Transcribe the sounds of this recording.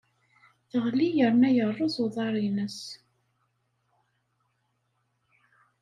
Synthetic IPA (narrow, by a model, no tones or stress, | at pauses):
θəʁlijəɾnæjərˤːoðoðˤɑɾˤinəs